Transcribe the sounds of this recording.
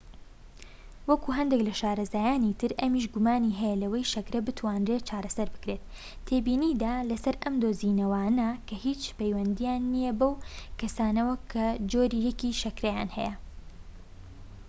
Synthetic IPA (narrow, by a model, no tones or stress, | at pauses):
wɐkuɦɐnd̪eklɐʃaːɾɐzaːjaːnit̪ʰɨɾʔɐmiːʃ̬ɡʊmaːniɦɛjɛlɐwɐjʃɐkɾɐbɨt̪ʰwaːnreːt͡ʃʰaːɾɐsɐɾbɨ̥kɾet̪̚ʰː | eːbiːniːd̪aːlɐsɐɾʔɐmd̪oːzinɐwaːnɐkʰɐhit͡ʃpɐjwɐnd̪ijaːnːijɛbɐwkɐsaːnɐwɐkʰɐd͡ʒoːɾiːjɛkiːʃɐkɾɐja̰ːnhɛ̰jɐ